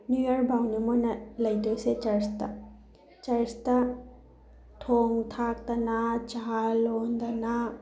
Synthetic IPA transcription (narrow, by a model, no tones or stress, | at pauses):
nujɐɾkbawnimonɐlɐjdojset͡ʃɐɾstɐ | t͡ʃɐɾstɐ | tʰoŋtʰak̚tɐnad͡ʒalond̪ɐna